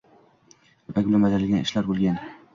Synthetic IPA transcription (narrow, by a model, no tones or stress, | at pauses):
pakʲbɪlanbad̪aɾɪlɡʲanɪ̰ʃlaɾbolˠɡʲan